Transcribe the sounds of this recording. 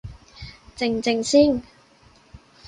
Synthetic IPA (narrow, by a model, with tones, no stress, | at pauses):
t͡sɪ˨˧ŋt͡sɪ˨˧ŋsiː˥ŋ